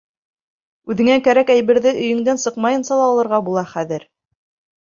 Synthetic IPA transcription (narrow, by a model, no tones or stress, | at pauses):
ʉðɘ̆ŋækæɾækæjβɘ̆ɾðɘʔɵ̆jɵ̆ŋd̪ænsɤqmɑjɤ̆nsɑlˠɑːlˠɤ̆ɾʁɑbulˠɑχæðɘɾ